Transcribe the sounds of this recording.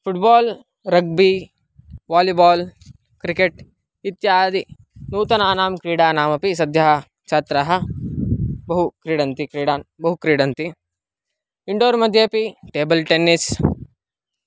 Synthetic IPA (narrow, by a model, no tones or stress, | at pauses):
fʰuʈbaːl | ɾɐɡ̚bi | ʋaːlibaːl | kɾikeʈ | it̪jaːd̪i | nuːt̪ɐnaːnaːmkɾiːɽaːnaːmɐpisɐd̪ʱjɐɦɐ | t͡ʃʰaːt̪ɾɐɦɐ̆ | bɐɦukɾiːɽɐnt̪ikɾiːɽaːnbɐɦukɾiːɽɐnt̪i | iɳɖoːɾmɐd̪ʱjepiʈeːbɐlʈenːis